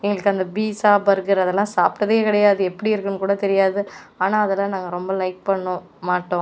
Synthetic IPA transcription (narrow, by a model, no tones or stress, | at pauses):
ɛŋɡɐɭɯkːɯɐnd̪ɐbiːsaːbɐɾɡɐɾɐðɛlːãːsaːpʈɐðeːkɪɽɐjaːðɯɛpːɐɽiɪɾɯkːɯnkuːɽɐt̪ɛɾɪjaːðɯaːnaːɐðɛlːãːnaːŋɡɐɾɔmbɐlɐɪk̚pɐɳːʊ̃ | maːʈːõ